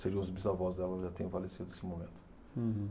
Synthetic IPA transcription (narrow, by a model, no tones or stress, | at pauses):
seɾĩʊzbizavɔzd̪ɛlɐʒat̪ẽj̃ʊ̃falesid̪ʊne̥sɪmomẽnt̪ʊ̥̃